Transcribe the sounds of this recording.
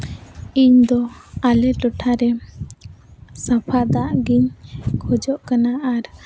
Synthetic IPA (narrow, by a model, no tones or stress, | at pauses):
iɲd̪ɔalɛʈɔʈʰaɾɛ | sapʰad̪aʔɡiɲkʰɔd͡ʒɔʔkanaʔaɾ